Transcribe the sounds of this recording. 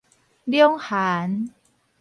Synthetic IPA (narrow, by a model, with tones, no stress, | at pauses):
di˧əŋhʰaː˩˦n